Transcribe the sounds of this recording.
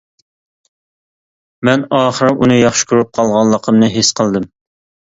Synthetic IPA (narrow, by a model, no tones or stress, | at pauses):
mɛnɑːχəɾɨʔunɨjɑχʃɪ̥kʰʲoɾup̚qʰɑlˠʁɑnlˠːəqʰəmnɨɦesqʰəlˠd̪ɨm